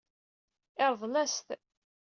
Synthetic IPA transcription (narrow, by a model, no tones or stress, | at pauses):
ɪɾðˤlæst̪